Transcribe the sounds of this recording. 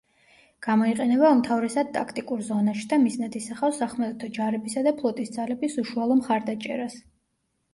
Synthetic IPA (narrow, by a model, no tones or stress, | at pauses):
ɡ̥amɔiqʼɛnɛβaumt̪ʰavɾɛsad̪̚t̪ʼakʰt̪ʼikʼuɾzɔnaʃi̥d̪amisnad̪isaχasaχmat̪ʼɛt̪ʰɔd͡ʒaɾɛbisad̪apʰlˠɔt̪ʼisd̪zalɛbisuʃualˠɔmχaɾd̪at͡ʃʼɛ̰ɾas